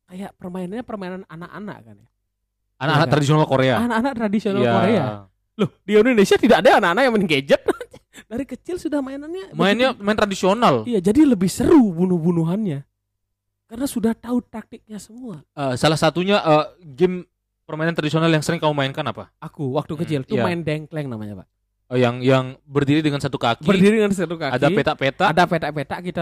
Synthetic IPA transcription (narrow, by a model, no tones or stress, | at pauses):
kajaʔpərmainanɲapərmainananaka̰na̰ʔka̰nja | anaanakt̪ɾadisionalkoɾeaanakanak̚t̪ɾadisionalakoɾea | lʊhdiaunnesiat̪idakadaːnakanak̚jaŋməniŋɡed͡ʒət̪̚adaɾikət͡ʃɪlsudahmainanɲamaɪnɲamaɪnt̪ɾadisionalijad͡ʒadiləbɪhsəɾubunuhbunuɦanɲa | karnasudaht̪aut̪ak̚t̪ɪk̚ɲasəmuaəsalahsat̪uɲaʔəɡɪm | pərmainant̪ɾadisionaljaŋsəɾɪŋkamumaɪnkanapaakuwak̚t̪ukət͡ʃɪlt̪umaɪndɛŋklɛŋnama̰ɲa̰pa̰ʔ | jaŋjaŋbərdiɾidəŋansat̪ukakibərdiɾidəŋansat̪ukaakdaipet̪aʔpet̪adapet̪aʔpet̪aʔkit̪a